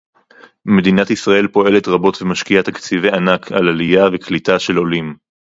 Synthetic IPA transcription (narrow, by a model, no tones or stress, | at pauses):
me̞d̪inatisʁae̞lpo̞e̞le̞t̪ʁabo̞tvemaʃkiat̪akt͡sivejanakʰalalijaveklitaʃe̞lo̞lim